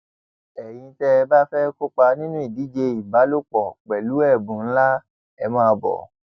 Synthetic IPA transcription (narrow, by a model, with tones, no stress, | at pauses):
ɛ˨j̃ĩ˧tɛ˧ba˦fɛ˦ko˦k͡pa˧nĩ˦nũ˦i˦˨di˨˦d͡ʒe˧i˨ba˨˦lo˦k͡pɔ˨k͡pɛ˨lu˨˦ɛ˦˨bũ˨n̩˦la˦ | ɛ˧mãː˦˧bɔ̰˨